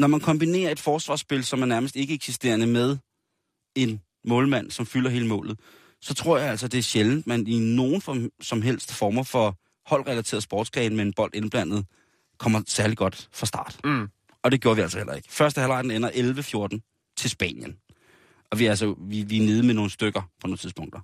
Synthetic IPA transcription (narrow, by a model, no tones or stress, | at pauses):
nɒmænkʰɒ̽mb̥ine̝̰ːɐe̝d̥fɒːsʋɑ̰̈ːsb̥e̝lsɒ̽mæɐnæɐməsd̥e̝ɡ̥əeɡ̥sisd̥e̝̰ːɐnəmeð̞ˠ | e̝n | mɔ̽ːlmæn̰sɒ̽mfylɐɦe̝ːləmɔ̰̽ːlð̩ˠ | sɒ̽t͡sʰʁo̝ɐ̰jɑ̈ælsɒd̥e̝æɐɕeln̩d̥mænino̝ːn̩fsɒ̽mɦel̰sd̥fɒːmɐfɒ̽ | hɒ̽l̰ʁɛlæt͡sʰe̝ːɐsb̥ɒːd̥skʰʁɛɪn̩meenb̥ɒ̽l̰d̥e̝nb̥læn̰ð̞̩ˠ | kʰɒ̽m̰ɐsæɐliɡ̥ɒ̽d̥fʁɑ̈sd̥ɑ̈ːd̥ | ɒ̽d̥e̝ɡ̥jo̝ːɐʋiælsɒhel̰ʔɐe̝ɡ̥ə̥fɶɐsd̥əhælɑ̈ɪd̥n̩enɐʔelʋəfjo̝ɐd̥n̩ | t͡sʰe̝lsb̥ɛ̰ːnjən | ɒ̽ʋiæls̬ɒʋiʋine̝ð̞ˠmeno̝ːn̩sd̥øɡ̥ɐpʰɒ̽noːt͡sʰiðˠpʰɔ̽ŋ̰d̥ɐ